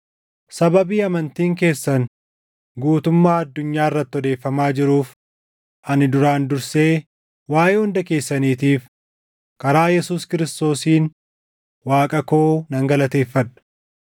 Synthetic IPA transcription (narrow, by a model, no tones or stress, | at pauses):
sɐbɐbiːɐmɐnt̪iːŋk̬e̞ːsːɐn | ɡuːt̪ʊmːaːɐd̪ːʊɲːaːɪrːɐt̪ːɔd̪e̞ːfːɐmaːd͡ʒɪɾuːf | ʔɐnɪd̪ʊɾaːnd̪ʊɾse̞ː | waːjeːhʊnd̪ɐke̞ːsːɐniːt̪iːf | kɐɾaːjɛsuːskɪɾɪst̪o̞ːsiːn | waːkʼɐko̞ːnɐŋɡɐlɐt̪e̞ːfːɐᶑɐ̥